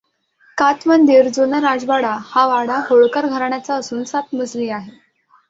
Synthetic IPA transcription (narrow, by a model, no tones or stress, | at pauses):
kat̪mənd̪ʱiɾd͡zonaɾad͡zʋaɽahaʋaɽaɦoɭkəɾɡʱəɾɳjat͡saəsuːnsat̪̚məd͡zliːaɦe